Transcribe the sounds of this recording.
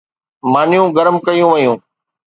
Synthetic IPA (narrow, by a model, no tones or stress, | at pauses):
maːnɪjũːɡəɾmkɐjũːʋəjũː